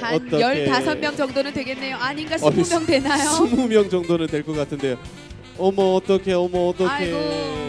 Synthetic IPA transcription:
aʌt͈ʌjʌɭetasʰʌnmjʌŋd͡ʑʌŋdonɯntwe̞ɡe̞nːe̞joaɲinɡaʌimjʌŋdwe̞najouŋmumjʌŋd͡ʑʌŋdonɯntwe̞ɭk͈ʌk͈atʰɯnde̞jo | ʌmʌːt͈ʌkʰe̞ʌmʌːt͈ʌkʰe

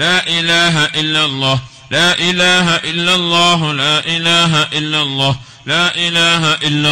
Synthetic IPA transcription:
laːʔɪlaːɦaʔɪlːalˤːɑːh | laːʔɪlaːɦaʔɪlːalˤːaːɦʊlaːʔɪlaːɦaʔɪlːalˤːɑːh | laːʔɪlaːɦaʔɪlːa

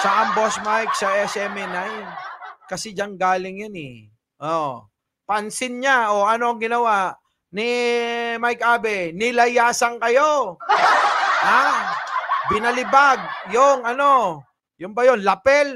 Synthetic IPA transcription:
sɐʔɐmbosmajk̚sɐʔɛsɛmɛnajkɐsɛd͡ʒanɡaːlɪŋjanɛ̰ | ʔoʔ | pɐnsɪnɲaoʔɐno̞ɐŋɡɪnɐwaʔ | nɪ | majkʔaːbɛnɪlɐjaːsɐŋkɐjo̞ | ha | bɪnɐlɪbaɡ̚joŋɐno̞ | jʊmbɐjo̞nlɐpɛl

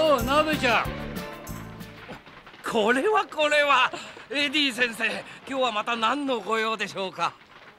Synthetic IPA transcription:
oːnamekʲa | kʰo̞ɾe̞βako̞ɾe̞βaed̪ʲiːs̬ẽ̞ɰ̃se̞ːkʲo̞ːβamat̪anãnːo̞ɡo̞jo̞ːd̪e̞ɕo̞ːka

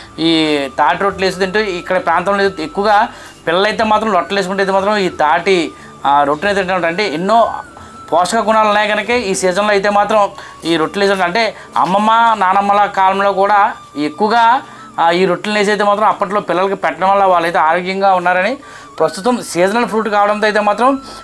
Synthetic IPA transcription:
iːt̪aːʈiɾoʈːleːs̬d̪iɳʈeikːɐɽɐpɾaːnt̪ɐmloekːuʋɐɡaː | pilːɐlɐjt̪eːmaːt̪ɾɐmlɔʈːɐlesukuɳʈejt̪eːmaːt̪ɾɐmiːt̪aːʈi | ɾoʈːinɐjt̪eɳʈeɐɳɐɳʈeːinːoː | pɔːʂɐkɐkunaːlunːaːjɡɐnɐkeiːsiːd͡ʒɐnɐloːɐjt̪eːmaːt̪ɾɐm | iːɾoʈːleːsuɳɐɳʈeː | ɐ̰mːɐmːaːnaːnɐmːɐlaːkaːlɐmlo̞ːkuːɽaː | ekːuʋɐɡaː | iːɾoʈːlneːs̬ejt̪eːmaːt̪ɾɐmɐpːɐʈ̬lo̞ːpilːɐlɐkipɛʈːɐɽɐmɐlːaːʋaːɭːɐjt̪eːaːɾoːɡjɐŋɡaːunːaːɾɐni | pɾɐst̪ut̪ɐmsiːd͡ʒɐnɐlɐpʰɾuːʈkaːʋɐɽɐnt̪oɐjt̪̬eːmaːt̪ɾɐm

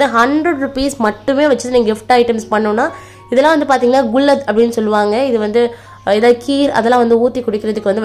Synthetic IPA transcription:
d̪ɯɦɐɳɖɾɐɽɾʊpiːsmɐʈːɯmeːʋɐt͡ʃːɯðɯniːŋɡɐɡɪfʈɐɪʈɐmspɐɳːõːnːaː | ɪðɛlːãːʋɐnd̪ɯpaːɾt̪iːŋɡɐnːaːɡʊlːɐd̪ɐpːɐɽɪnːɯsɔlːɯʋaːŋɡɐɪðɯʋɐnd̪ɯ | eːðaːðɯkiːɾɐ̰ðɛlãːʋɐnd̪ɯuːt̪ːikːʊɽɪkːɪɾɐðɯkːɯʋɐnd̪ɯ

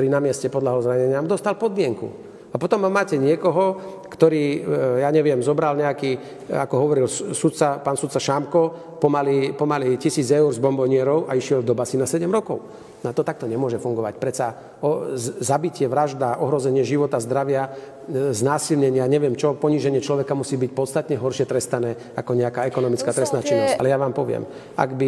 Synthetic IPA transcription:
t̪ɔɾiːnamɪɛscɛpɔd̪laɦɔzɾaɲɛɲɪamud̪ɔst̪alpɔd̪mɪɛŋkṵ | apɔt̪ɔmːamːaːcɛɲɪɛkɔɦɔ | kt̪ɔɾiːjaːɲɛʋɪɛmzɔbɾalɲɛakiː | a̰kɔɦɔʋɔɾilsut̪̚t͡sapaːnsut̪t͡saʃamkɔ | pɔmalipɔmalicisiːd͡zɛuɾzbɔmbɔɲɪɛɾɔʊʔaiʃɪɛld̪ɔbasinasɛɟɛmɾɔkɔʊ | nat̪ɔt̪ak̚t̪ɔɲɛmʊɔʒɛfuŋɡɔʋa̰cpɾɛt͡sa | ɔzabicɪɛʋɾaʒd̪aʔɔɦɾɔzɛɲɪɛʒiʋɔt̪azd̪ɾaʋɪa | znaːsilɲɛɲɪaɲɛʋɪɛmt͡ʃɔpɔɲiːʒɛɲɪɛt͡ʃlɔʋɛkamusiːbic̚pɔt̪st̪at̪ɲɛɦɔɾʃɪɛt̪ɾɛst̪anɛː | akɔɲɛakaːɛkɔnɔmit͡skaːt̪ɾɛstnaːt͡ʃinːɔsca̰lɛjaʋaːmpɔʋɪɛ̰m | a̰ɡbi

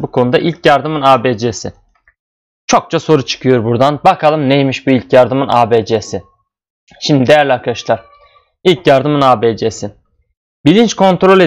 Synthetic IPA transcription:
bukʰo̞nud̪aʔilʲcʰjaɾd̪ɯmɯnaːbed͡ʒesɪ | t͡ʃʰo̞k̚t͡ʃʰaso̞ɾut͡ʃʰɯ̥kʰɯjo̞ɾbuɾd̪anbakʰalˠɯmnejmiʃbuilʲcjaɾd̪ɯmɯnʔaːbed͡ʒesɪ | ʃimd̪id̪ejæɾlʲaɾkʰaʃlˠaɾ̥ | ilʲcjaɾd̪ɯmɯnaːbed͡ʒesɪ | b̥ilʲint͡ʃkʰo̞nt̪ɾo̞lʲe

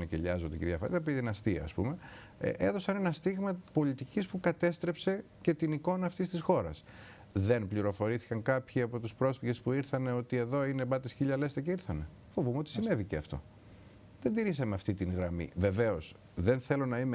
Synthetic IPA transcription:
necḛʎɐzond̪eceðjɐfɐ̰ɾ̰ɐpt̪inɐst̪iɐ̰ːspṵme̞̰ | ʔeðo̞sɐnenɐst̪iɣmɐpo̞lit̪icispukɐt̪e̞st̪ɾe̞pse̞ | ce̞t̪iniko̞nɐːft̪ist̪isxo̞ɾɐ̰s | ðe̞npliɾo̞fo̞ɾiθi̥kɐŋkɐpçiɐpo̞t̪uspɾo̞sfiʝe̞spuiɾθɐne̞o̞t̪ie̞ðo̞inebɐt̪isçiʎɐle̞st̪ɐceiɾθɐne̞ | fo̞vumeot̪isine̞viceɐft̪o̞̰ | ðend̪iɾisɐmeɐft̪it̪inɣɾɐmḭve̞ve̞o̞s | ðe̞nθe̞lo̞nɐime

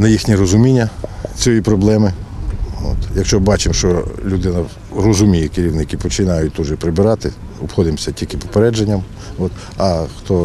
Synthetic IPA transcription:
nɐjixnʲirɔzʊmʲinʲːɐt͡sʲjojipɾɔblˠɛmɪ | o̰t̪jɐkʃt͡ʃɔbɑt͡ʃɪmʃt͡ʃɔlʲud̪ɪnɐ | rɔzʊmʲijɛkɪɾʲiwnɪkɪpɔt͡ʃɪnɑjʊt̚ʲt̪uʒɛpɾɪbɪɾɑt̪ɪɔpxɔd̪ɪmsʲɐtʲilʲkɪpɔ̥peɾɛd͡ʒenʲːɐm | ɔt̪ | ɐxt̪ɔ

